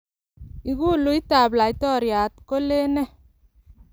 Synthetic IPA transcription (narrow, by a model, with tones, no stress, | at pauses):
i˨ɣu˦lu˨i˦t̪a˨bla˨i˨t̪ɔ˦˨ɾja˨t̪ko˦le˦nɛ˦